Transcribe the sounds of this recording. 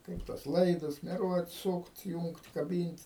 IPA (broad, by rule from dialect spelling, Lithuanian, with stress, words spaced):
ˈkɐɪp tuɔs ˈlˠɐɪdʊs mʲɛˈruɔt ˈsuːkt ˈjuːŋkt kɐˈbʲiːnʲtʲ